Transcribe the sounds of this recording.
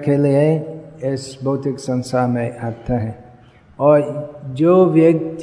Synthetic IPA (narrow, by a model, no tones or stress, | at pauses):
kelieɪsboːt̪ɪksə̃nst̪ʰamẽʔaːt̪eɦɛ̃ | ɔːɾd͡ʒoːʋjək̚t̪